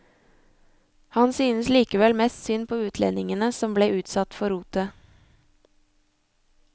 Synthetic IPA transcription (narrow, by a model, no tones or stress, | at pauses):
hɑnsyːnəsliːkəʋɛlmɛst̪sʏnpʰoːʉːt̪ʰlɛ̰nɪŋənəsɔmbleːʔʉːt̪sɑt̪fɔɾuːt̪ə